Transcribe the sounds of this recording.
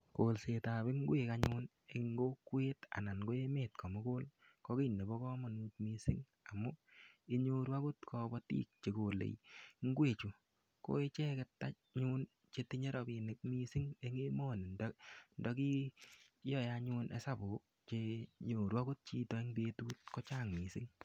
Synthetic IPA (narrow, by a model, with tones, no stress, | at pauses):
ko˨lse˨ta˨be˦ŋ˦ɡwe˨ka˨ɲʊː˦n | e˨ŋɡo˦kweː˦ta̰˨na˨nɡo˦e˦meː˨t̚kʰɔ˨mo˦ko˦l | kɔ˦ke˦˨ne˨bɔ˦kɔ˦mɔ˨nu˦tmi˦sɪ˦ŋ | a˨mʊ˦i˦ɲo˦ɾwa˦ko˦tkʰɔ˧bɔ˦tḭː˦k̚t͡ʃe˨ko˨lḛ˨jŋ˦ɡwe˦˨t͡ʃo˨ | ko̰˦e˦t͡ʃe˦kɛ˨tːa˦ | ɲu˦n | t͡ʃe˧ti˦ɲe˦ɾʔɔ˨bi˨nɪ˨k̚mi˦sɪ˦ŋe˦ŋe˦mo˦˨ni˨ndndɔ˦ki˦ | jɔ˦˨jaɲu˧nʔḛ˦sa˦˨bo˨ | t͡ʃe˧ɲo˨ɾwa˦ko˦t̚t͡ʃiː˦tɔ˨˦i˦ŋbe˦tuː˦t̚kɔ˦t͡ʃaː˦˨ŋmi˨sɪ˦ŋ